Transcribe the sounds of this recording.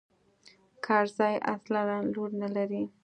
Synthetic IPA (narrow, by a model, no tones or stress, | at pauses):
kʰɑɾzɑja̰slaɾanloɾnalaɾi